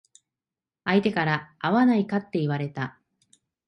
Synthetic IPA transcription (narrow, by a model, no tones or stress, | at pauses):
ait̪e̞kaɾaːβanaikat̪ːe̞iβ̞aɾe̞t̪a